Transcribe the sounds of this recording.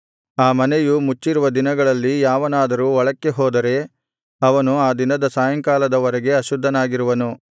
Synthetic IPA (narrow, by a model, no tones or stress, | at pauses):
aːmɐnejumut͡ʃːiɾuʋɐd̪inɐɡɐɭɐlːijaːʋɐnaːd̪ɐɾuːʋɐɭɐkːe̞ɦɔːd̪ɐɾe̞ | ɐʋɐnuaːd̪inɐd̪ɐsaːjɐŋkaːlɐd̪ɐʋɐɾɛɡe̞ɐʃud̪ʱːɐnaːɡiɾuʋɐnu